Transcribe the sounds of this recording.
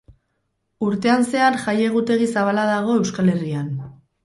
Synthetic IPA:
uɾt̪e̞anse̞anʝaje̞ɣ̞ut̪e̞ɣ̞isaβalaðaɣ̞o̞e̞wskale̞rian

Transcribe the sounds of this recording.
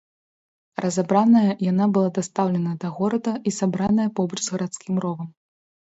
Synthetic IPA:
rɐzabɾanɐjɐjan̪abɨlˠad̪ast̪awlʲɛnɐd̪ɐɣɔɾɐd̪ɐisabɾan̪ɐjɐpɔbɐt͡ʂzɣɐɾat̪skʲimrɔvɐm

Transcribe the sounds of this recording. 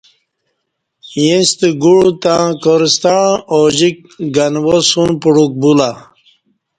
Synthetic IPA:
jẽst̪iɡuɻut̪ãkoɾist̪aoʑik̚ɡanwosunpuɽuk̚bula

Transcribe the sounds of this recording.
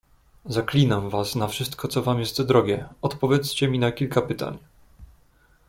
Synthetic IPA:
zaklʲinamvasnafʂɘst̪kɔt̪sɔvamjɛst̪d̪ɾɔɡʲjɛɔt̪pɔvʲjɛt̪st͡ɕɛmʲinakʲilkapɘt̪a̰ɲ

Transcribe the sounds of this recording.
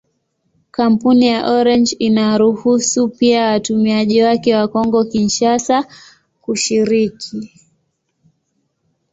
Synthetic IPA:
kam̩punijaʔɔɾɛnd͡ʒinaɾuhusupiawatumiaʄiwakɛwakɔŋɡɔkinʃasa | kuʃiɾikʰi

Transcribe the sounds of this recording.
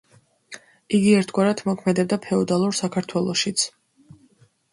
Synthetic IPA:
iɡiɛɾt̪ʰɡwaɾat̪ʰmɔkʰmɛd̪ɛb̚d̪apʰɛɔd̪alˠuɾsakʰaɾt̪ʰwɛlˠɔʃit̪sʰ

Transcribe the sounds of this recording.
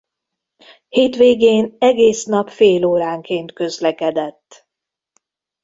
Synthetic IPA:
heːt̪ʋeːɡeːnɛɡeːsn̪ɒpfeːloːɾaːŋkeːnt̪kø̞zlɛkɛd̪ɛt̪ː

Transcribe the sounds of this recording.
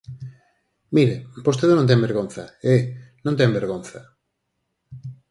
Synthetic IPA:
miɾepost̪eðonõnt̪̬ẽmbeɾɣon̟θɐenõnt̪̬embeɾɣonθɐ

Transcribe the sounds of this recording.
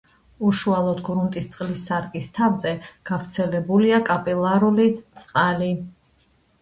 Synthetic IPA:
uʃualˠɔd̪ɡɾunt̪ʼist̪sʼqʼlisːaɾkʼist̪ʰavzɛɡ̥avɾt̪sʰɛlɛbuliakʼapʼilˠaɾulit̪sʼqʼali

